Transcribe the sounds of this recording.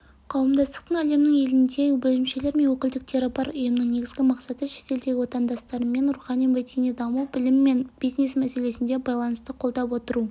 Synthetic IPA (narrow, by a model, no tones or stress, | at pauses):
qʰɑwəmd̪ɑst̪ə̥qt̪əɴæle̞mnɪŋe̞lɪnd̪e̞bɵlɪmʃe̞le̞ɾme̞nwɵkʲɪld̪ɪk̚t̪ʰeɾapɑɾʊjəmnəŋne̞ɡʲɪzɡʲɪmɑqsɑt̪əʃe̞̥t̪e̞ld̪e̞ɡʲɪwo̞t̪ɑnd̪ɑst̪ɑɾəmːe̞nʊɾuχɑnijvet̪inid̪ɑmuwbɪlɪmːe̞nb̥ijznesmæse̞le̞sɪnd̪e̞bɑjlˠɑnəst̪əqʰo̞lˠd̪ɑpwo̞t̪əɾu